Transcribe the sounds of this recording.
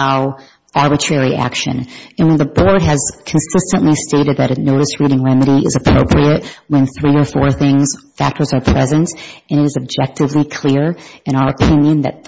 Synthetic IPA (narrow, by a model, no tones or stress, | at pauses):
aʊ | ɑɹbɨtʰɹ̥ɛɹiʔæ̰kʃɨ̰̃nɨ̃nwə̃nðəbɔɹd̚ɨz̥kʰn̩sɪstɨ̃nʔlisteɪɾɨd̪̚ðɨɾɨnoʊɾɨsɹiɾɪ̃ŋɹɛmɨɾiʔɪ̰zɨpʰɹ̥o̰ʊpʰɹiɨt̚wɨ̃nθɹiə˞fɔɹθɪ̃ŋz̥fæ̰k̚tʰə˞zə˞pʰɹ̥ɛzɨ̃ntɨ̃ɾ̃ɨɾɨzɨb̚d͡ʒɛk̚tɨvlikʰl̥ɪɹɨ̃ɾ̃aʊə˞əpʰɪ̃njɨ̃nðɨ̰t̪̚